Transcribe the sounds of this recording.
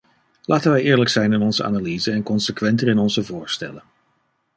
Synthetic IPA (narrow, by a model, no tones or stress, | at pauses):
laːtənʋɛjɪːɹləksɛjnɪnɔnzəa̰ːnaliːzəɛnkɔnsəkʋɛntərɪnɔnzəvʊːɹstɛ̰lən